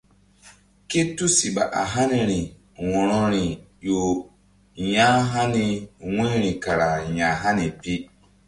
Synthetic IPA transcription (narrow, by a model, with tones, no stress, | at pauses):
ke˦tu˦si˨ba˨ʔa˨ɦa˦ni˨ɾi˨ | ŋɔ˨ɾɔ˦ɾi˨ | jo˨ | ja˦ɦa˦ni˦˨wĩ˦ɾi˨ka˨ɾa˨ɲa˨ɦa˦ni˨pi˦